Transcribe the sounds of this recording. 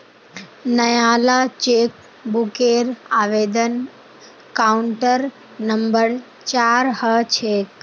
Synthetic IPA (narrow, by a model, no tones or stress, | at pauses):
nɐjaːlat͡ʃeːk̚ | bukeːɾaːʋeːd̪ən | kaːuɳʈəɾ | nɐmbəɾ | t͡ʃaːɾhət͡ʃʰeːk